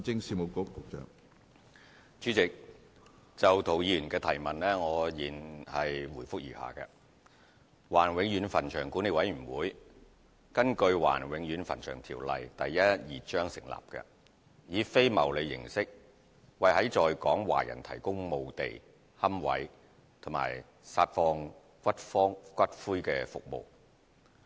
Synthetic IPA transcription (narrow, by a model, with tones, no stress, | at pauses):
t͡sɪ˥ŋsiː˧mo˨˧kʊ˥kkʊ˨˥k̚t͡ʃœ̰ː˨˩ŋ | t͡ʃyː˨˥t͡sɪ˨k̚ | t͡sɐ˨wt̪ʰo˨˩wjiː˨˧jy˨˩nkɛː˧t̪ʰɐ˨˩jmɐ˨nlɛː˥ŋɔː˨˧jiː˨nhɐ˨jwuː˨˩jfʊ˥k̚jiː˨˩ha̰ː˨˩kɛ̰ː˧ | waː˨˩nwɪ˨˧ŋjyː˨˧nfɐ˨˩nt͡ʃʰœː˨˩ŋku˨˥ne˨˧wɐ˨˥jɥy˨˩nwuː˨˥j | kɐ˥nkɵ˧ɥwa̰ː˨˩nwɪ˨˧˥ŋjyː˨˧˥nfɐ̰˨˩nt͡ʃʰœː˨˩ŋt̪ʰiː˨˩wlɐ̰˨jt̪ɐ˨jːɐ˥t̚jiː˨t͡ʃœː˥ŋsɪ˨˩ŋla̰ː˨˩p̚kɛ̰ː˧ | jiː˨˧fe˥jmɐ˨˩wle˨˧jːɪ̰˨˩ŋsɪ˥k̚ | wɐ˨jhɐ˨˥jt͡ʃɔː˨jkɔː˨˥ŋwa̰ː˨˩jɐ̰˨˩nt̪ʰɐ˨˩jkʊ˥ŋmo˧wt̪ḛ˨j | hɐ˥mwɐ̰˨˥j | t̪ʰʊ˨˩ŋma̰ː˨˩j | saː˧t̚fɔː˧ŋ | kʷɐ˥t̚fɔː˥ŋkʷɐ˥t̚fuː˥jkɛː˧fʊ̰˨k̚mo̰˨˧w